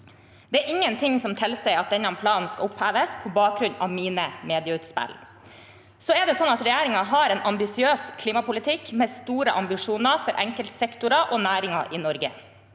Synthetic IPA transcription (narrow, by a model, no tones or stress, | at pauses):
d̪̥ɛæːɾʔɪŋːənt̪ʰɪŋsɔmt̪ʰɪlsɛɪɑt̪̚d̪ɛnːɑɛmpʰlɑːnn̩skɑ̰ʊphæːʋəspʰɔbɑːk̚ɾʉnɑ̰ʋmiːnəmeːd̪ɪəʉːt̪spæ̰l | sɔɛd̪ɛsɔnɑt̪ɾɛjæːɾɪŋɑɦɑɾɛːnʔɑmbɪsɪøːskʰliːmɑpʊlɪt̪ʰɪkmɛːst̪uːɾəʔɑmbɪʂuːnɑfɔɾʔɛ̰ŋkəlt̪sɛkt̪ʊɾɑʔoːnæːɾɪŋɑʔɪnɔɾɡə̰